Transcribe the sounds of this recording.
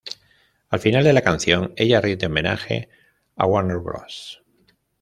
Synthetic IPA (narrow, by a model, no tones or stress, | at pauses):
alfinald̪e̞lakan̟θjo̞ŋe̞ʎariβd̪eome̞na̰xe̞̰ | a̰waneɾβɾo̰s